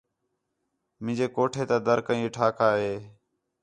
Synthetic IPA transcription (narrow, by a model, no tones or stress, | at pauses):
mɪ̃ːd͡ʒeːkoːʈʰeːt̪aːd̪əɾkəĩːʈʰaːkʰaːɦeː